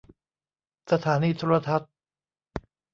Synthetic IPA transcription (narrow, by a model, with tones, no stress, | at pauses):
sa˧t̪ʰaː˩˦niː˧t̪ʰoː˧˥ɾa˧t̪ʰa˦˥t̪̚